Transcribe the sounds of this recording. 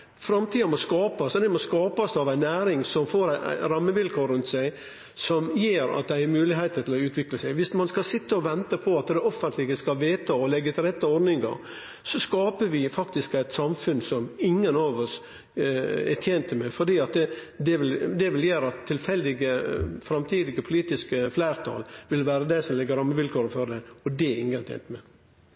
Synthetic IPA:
fɾɑmt̪ʰiːɑmɔskɑːpɑsd̪ɛmɔskɑːpɑsd̪ɑʋæɪnːæːɾɪŋsɔmfoːɾæɪæ̰ɪɾɑmːəʋɪlkʰoːɾʉnt̪sæɪ | sɔmjeːɾɑ̰t̪̚d̪æɪɛɾmʉːlɪɦeɪt̪ət̪ʰɪlɔʉːt̪ʰʋɪkləsæɪʋɪsmɑnskɑsɪt̪ːəɔʋɛnt̪əpʰɔɑt̪d̪ɛɔfːənt̪lɪɡəskɑlʋeːt̪ʰɑɔlɛɡːət̪ʰɪlɛt̪ːəɔɾd̪nɪŋɑ̰ɾ | sɔskɑːpəʋɪfɑkt̪ɪskæɪt̪sɑmfʉnsɔmɪŋːənɑʋɔs | ɛt̪ʰjeːnt̪əmɛfɔɖiːɑt̪ | d̪ɛʋɪld̪ɛʋɪljeːɾɑt̪ʰːɪlfɛld̪ɪɡəfɾɑmt̪ʰiːd̪ɪɡəpʰʊliːt̪ɪskəflæːɾt̪ʰɑ̰ːlʋɪlʋæːɾəd̪ɛsɔmlɪɡːəɾɑmːəʋɪlkʰoːɾəfɔd̪ɛɔd̪ɛɪŋːənt̪ʰɛ̰ːnt̪mɛ

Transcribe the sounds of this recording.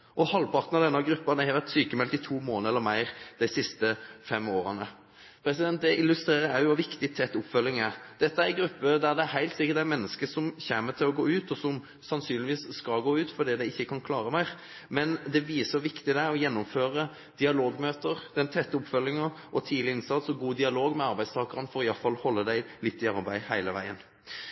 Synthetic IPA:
ʔɔhɑlpʰɑɾʁt̪nɑd̪ɛnːɑɡɾʉpːɑd̪æɪhɑʋæt̪syːkəmɛlt̪ɪt̪ʰuːmoːnəɛlːəɾmæɪɾd̪̥æɪsɪst̪əfɛmːoːɾənə | pʰɾɛsɪd̪ɛnt̪̚d̪ɛʔɪlʉst̪ɾeːɾəæɾjʊʋɑʋɪkt̪ɪt̪ʰɛt̪ːʊpfœlːɪŋɛd̪̥ɛt̪ːəæɛɡɾʉpːəd̪æɾd̪ɛæɾɦæɪlt̪sɪkːəɾt̪d̪æɪmɛnːəskəsɔmçeːmət̪ʰɪlɔɡoːʉːt̪ɔsɔm | sɑnsyːnlɪʋiːsskɑlɡoːʉːt̪fɔd̪iːd̪æɪɪçːəkʰɑnkʰlɑːɾəmæɪʁ | mɛnd̪ɛʋiːsəʋɪkt̪ɪd̪æɔjɛnːʊmføːɾə | d̪̥ɪɑloːɡmøːt̪əɾd̪̥ɛnt̪ʰɛt̪ːəʊpfœlːɪŋɑʔɔt̪ʰiːd̪lɪɪnsɑt̪sɔɡuːd̪ɪɑloːɡmɛɑɾbæɪst̪ʰɑːɡəʁənfɔɾɔɪjɑlfɑlhɔlːəd̪æɪlɪt̪ːɪɑɾbæɪhæɪləʋæ̰ɪən

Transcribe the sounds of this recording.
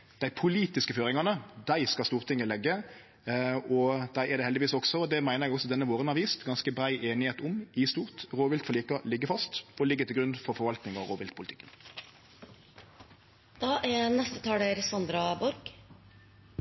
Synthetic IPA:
d̪̥æɪpʰʊliːt̪ɪskəføːɾɪŋɑnəd̪æɪskɑst̪uːʁt̪ʰɪŋːəlɛɡːə | ɔd̪æɪɛɾd̪ɛhɛld̪ɪʋiːsɔksɔɔd̪ɛmæɪnəʁɛɡɔsɔd̪ɛnːəʋoːʁənhɑɾʋiːst̪ɡɑnskəbɾæɪʔeːnɪheːt̪ʊmɪst̪uːʁt̪ʁoːʋɪlt̪fɔʁliːkɑlɪɡːəfɑst̪ɔlɪɡːət̪ɪɡɾʉnfɔɾfɔɾʋɑlt̪nɪŋɑʋɾoːʋɪlt̪̚pʰʊlɪt̪ʰɪ̥kːən | d̪̥ɑːʔænɛst̪ət̪ʰɑːɽəɾsɑnd̪ɾɑbɔɾɡ

